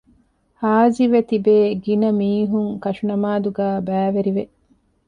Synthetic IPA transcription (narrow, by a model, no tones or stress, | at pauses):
haːd͡ʒiʋet̪ibeːɡinɐmiːɦuŋkɐʃunɐmaːd̪uɡæːbæːʋeɾiʋeʔ